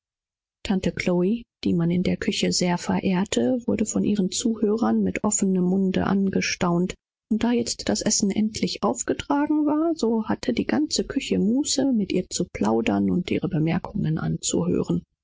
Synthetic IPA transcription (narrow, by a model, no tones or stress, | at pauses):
tʰantəkʰl̥oid̥iːmanɪndeːɐkʰʏçəzeːɐfɛɐʔeːɐtʰəvʊɐdəfɔnʔiːʁ̞ənt͡suːhøːʁɐnmɪtʔɔfənəmːʊndə̰ʔa̰nɡəʃtaʊnt | ʔʊnt̚d̥aːjɛt͡std̥asʔɛsn̩ʔɛntʰlɪçʔaʊfɡ̥ətʁ̥aːɡŋ̩vaːɐzoːhatʰədiːɡant͡səkʰʏçəmuːsəmɪtʔiːɐt͡supl̥aʊdɐnʊntʔḭːʁ̞əbəmɛɐkʰʊŋənʔa̰nt͡sṵɦø̰ːʁən